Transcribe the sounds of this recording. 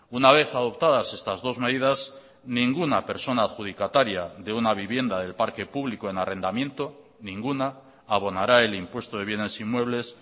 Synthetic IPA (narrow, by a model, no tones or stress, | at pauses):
unaβ̞e̞θaðo̞p̚t̪aðase̞st̪azðo̞zme̞ðiðaz | nĩŋɡunape̞ɾso̞naːðxuð̞ikat̪aɾjaðe̞unaβ̞iβje̞nd̪aðe̞lpaɾke̞puβlikoenarʔe̞nd̪amje̞nt̪o | nĩŋɡunaː | βo̞naɾae̞limpwe̞st̪oðe̞βje̞ne̞simwe̞β̞le̞s